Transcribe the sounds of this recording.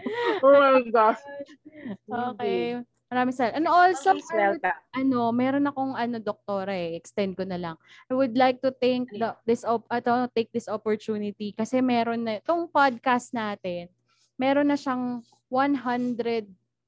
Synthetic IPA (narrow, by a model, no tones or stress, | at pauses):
oɡas | ʔoːkɛ | mɐɾaːmɪŋsɐɛlʔɐnoʔolsɐmsɛlaʔɐno̞mɛːɾonɐko̞ŋʔɐno̞d̪ok̚t̪o̞ːɾɐʔɛʔɛkst̪ɛnd̪̚konɐlɐŋʔajwʊd̪lajk̚t̪ʊt̪ɛŋk̚d̪ɐd̪ɪsopɐt̪ot̪ejk̚d̪ɪsopoɹt͡ʃ̪uːnɪt̪ikɐsɛmɛɾonːɐt̪oŋpad̪̚kɐst̪̚naːt̪ɛn | mɛːɾonːɐʃɐŋ | wanɦɐnd̪ɾɛd̪̚